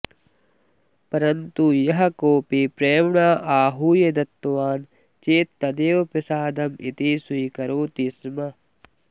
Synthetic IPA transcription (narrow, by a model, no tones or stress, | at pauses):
pɐɾɐnt̪ujɐɦɐkoːpipɾeːmɳaːʔaːɦuːjed̪ɐt̪ːʋaːn | t͡ʃeːt̪ːɐd̪eːʋɐpɐsaːd̪ɐmʔḭt̪isujkɐɾoːt̪ismɐ